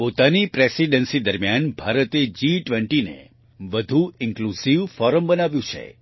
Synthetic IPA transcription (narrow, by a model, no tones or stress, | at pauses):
pot̪anipɾesiɖənsid̪əɾmjanbʱaɾət̪ed͡ʒiʈʋeɳʈinḛ | ʋəd̪ʱuɪŋklusiʋfɔɾəmbənaʋjũt͡ʃʰḛ